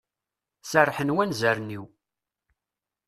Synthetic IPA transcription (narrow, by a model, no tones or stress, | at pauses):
sərːħənwænzæɾniw